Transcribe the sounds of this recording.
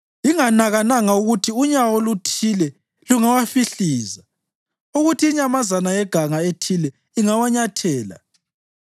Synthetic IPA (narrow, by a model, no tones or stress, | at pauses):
iŋanaɣanaŋauɣutʰiuɲawolutʰilɛ | luŋawafiɬiːza | uɣutʰiːɲamazanajɛɡ̥ʱaŋaetʰilɛ | iŋawaɲatʰɛːla̰